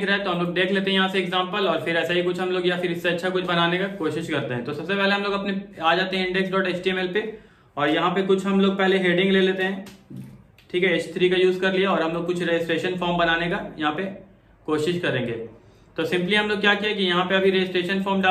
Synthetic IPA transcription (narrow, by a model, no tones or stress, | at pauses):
kɾɐɦɛ̃t̪oɦɐ̃mloːɡ̚d̪eːkʰleːt̪eɦɛ̃jɐɦãseɛɡzãːmpəlɔːɾfɪɾɛːsaɦikʊt͡ʃʰɦɐmloːɡjafɪɾɪsːeɐtːʃʰakʊt͡ʃʰbɐnaːnekakoːʃɪʃkɐɾt̪eɦɛ̃t̪osɐbsepɛɦleɦɐ̃mloːɡɐpneaːd͡ʒaːt̪eɦɛ̃ɪ̃ɳɖɛksɖɔːʈeːt͡ʃʈiɛmɛlpe | ɔːɾjɐɦãpekʊt͡ʃʰɦɐmloːɡ̚pɛɦleɦeːɖɪ̃ŋɡleːleːt̪eɦɛ̃ː | ʈʰiːkɦɛɪt͡ʃt̪ʰɾiːkajuːzkɐɾliaɔːɾɦɐmloːɡ̚kʊt͡ʃʰɾed͡ʒɪsʈɾeːʃənfɔːɾmbɐnaːnekajɐɦãpe | koːʃɪʃkɐɾẽːŋɡḛː | t̪oːsɪ̃mpliɦɐmloːɡ̚kjaːkiakijɐɦãpeɐbʱiɾed͡ʒɪsʈɾeːʃənfɔːɾmɖaː